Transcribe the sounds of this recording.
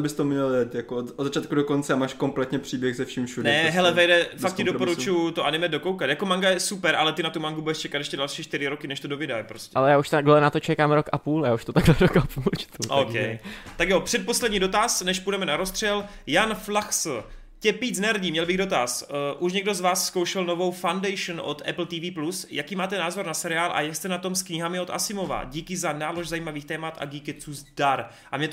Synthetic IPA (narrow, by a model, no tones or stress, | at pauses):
bɪst̪omɲɛldɛt̪jakodzat͡ʃaːt̪kudokont͡sɛamaːʃkomplɛt̪ɲɛpr̝̥iːbjɛxzɛfʃiːmfʃudnɛɛɦɛlɛvɛjdɛfakk̪̚cːɪdopoɾuujut̪oʔanɪmɛdo̞kowkat̪jako̞maŋɡajɛsupɛɾʔalɛt̪ɪnat̪umaŋɡubudɛʃt͡ʃɛkat̪ɛʃcɛdalʃiːʃt̪ɪɾɪɾokɪnɛʃt̪odovɪdajpɾoscʲɛalɛjaːuʃt̪aɡllɛnat̪ot͡ʃɛkaːmɾokʔapuːljaːuʃt̪ot̪aɡlɛdokapult͡ʃt̪uʔokɛjt̪akjo̞pr̝̥ɛt̪̚po̞slɛdɲiːdot̪asnɛʃpudɛmɛnaɾo̞st̪r̥ɛljanflaxs | cɛpiːt͡snɛɾr̩ɟiːmɲɛlbɪɣdot̪asʔuʃɲɛɡdo̞zvaːssko̞wʃɛlno̞vo̞wfandɛjʃnʔo̞̰t̪ɛpl̩t̪iːviːplusjakiːmaːt̪ɛnaːzo̞ɾnasɛɾɪaːlʔa̰jakst̪ɛnat̪o̞mskɲɪɦamɪo̞t̪ʔa̰sɪmo̞va̰ɟiːkɪzanaːlo̞ʒzajiːmaviːxt̪ɛːmat̪ʔa̰ɡiːkɛt͡suːzdaɾ | ʔamɲɛt̪